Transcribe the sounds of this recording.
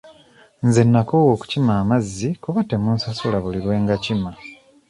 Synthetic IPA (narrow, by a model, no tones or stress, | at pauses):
nzenːako̞woːku̥cimaːmazːikuβatemuːnsasulaβuliɾwe̞ːŋɡacima